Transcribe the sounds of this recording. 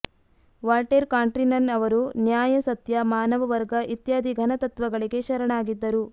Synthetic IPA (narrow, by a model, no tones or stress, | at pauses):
ʋaːlʈeɾkaːɳʈɾinɐnɐʋɐɾunjaːjɐsɐt̪jɐmaːnɐʋɐʋɐɾɡɐʔit̪jaːd̪ʱiɡʱɐnɐt̪ɐt̪ʋɐɡɐɭiɡe̞ʃɐɾɐɳaːɡid̪ːɐɾu